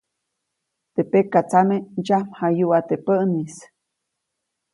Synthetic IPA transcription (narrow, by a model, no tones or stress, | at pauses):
t̪epekːat͡samed͡ʒam̥hajuʔat̪epəʔnis